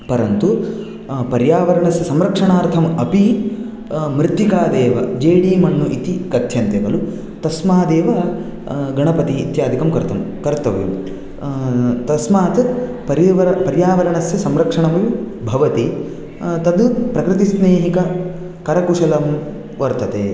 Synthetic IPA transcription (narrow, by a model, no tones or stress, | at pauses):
pɐɾɐnt̪u | pɐɾjaːʋɐɾɐɳɐsjɐsɐmɾɐkʂɐɳaːɾt̪ʰɐmɐpi | mɾɪt̪ːikaːd̪eːʋɐd͡ʒeːɽiːmɐɳːuʔit̪ikɐt̪ʰjɐnt̪jɐɡɐlu | t̪ɐsmaːd̪eːʋɐ | ɡɐɳɐpɐt̪iːt̪jaːd̪ʱikɐmkɐɾt̪ɐmkɐɾt̪ɐʋjṵ | t̪ɐsmaːt̪ | pɐɾiʋɐɾɐpɐɾjaːʋɐɾɐɳɐsjɐsɐmɾɐkʂɐɳɐmɐju | bʱɐʋɐt̪i | t̪ɐd̪upɾɐkɾit̪isneːɦikɐ | kɐɾɐkuʂɐlɐm | ʋɐɾt̪ɐt̪eː